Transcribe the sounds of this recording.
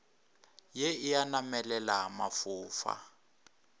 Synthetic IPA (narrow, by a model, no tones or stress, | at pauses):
jeɪjanamɛlɛlamafuːfa̰